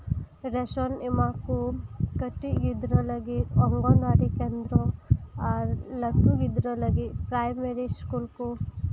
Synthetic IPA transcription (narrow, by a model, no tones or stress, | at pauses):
ɾesonimakukəʈːiɡid̪ɾolaɡiɔŋɡɔnd̪aːɾikeːnd̪ɾoalɐt̪uɡid̪ɾolaɡipɾajmeɾiskuːlku